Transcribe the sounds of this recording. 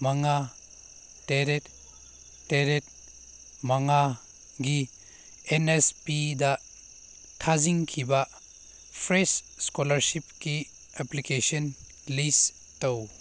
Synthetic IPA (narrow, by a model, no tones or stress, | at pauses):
maŋa | teɾetː | eɾet̚ | maŋa | ɡi | enespida | tʰaziŋkʰiba | pʰɾesskolɐɾsip̚ki | eplikesɔn | lis | tow